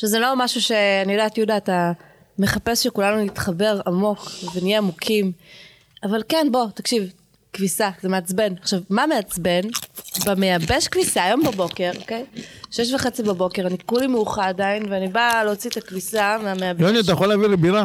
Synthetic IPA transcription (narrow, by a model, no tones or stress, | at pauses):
ʃevzelo̞maʃuʃe̞anijodaːtjudaːta | me̞χape̞sʃekulanunit̪χabe̞ʁamo̞kvenijeamukʰim | avalkenbo̞takʃiv | kvisazemeat͡sbe̞naχʃavmameat͡sbe̞nbamejabe̞ʃkvisaːjo̞mbabo̞ke̞ʁoke̞jʃeʃ̬vaχet͡sibabo̞ke̞ʁanikulimejuχaːdainveanibaleot͡sietakvisameameaboniat̬ajeχolavilebila